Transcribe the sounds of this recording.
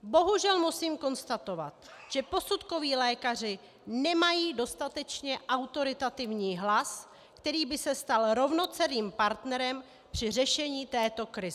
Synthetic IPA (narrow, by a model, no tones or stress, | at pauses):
bo̞ɦuʒɛlmusiːmko̞nst̪at̪o̞va̰t̪ | ʒ̥ɛpo̞sut̪ko̞viːlɛːkar̝ɪ | nɛmajiːdo̞st̪at̪ɛt͡ʃɲɛʔawt̪o̞ɾɪt̪at̪ɪvɲiːɦlas | kt̪ɛɾiːbɪsɛst̪alɾo̞vno̞t͡sɛɾiːmpaɾt̪nɛɾɛm | pr̝̥ɪr̝ɛʃɛɲiːt̪ɛːt̪o̞kɾɪ